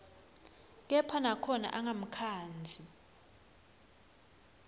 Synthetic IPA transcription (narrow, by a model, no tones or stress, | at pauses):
k̬ɛpʰanakʰɔna̰ʔaŋam̩kʰaːnd͡zʱi